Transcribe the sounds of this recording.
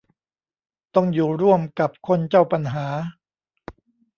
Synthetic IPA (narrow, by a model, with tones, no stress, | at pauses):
t̪ɔ˥˩ŋjuː˨˩ɾu˥˩əmka˨˩p̚kʰo˧nt͡ɕa˥˩wpa˧nɦaː˩˦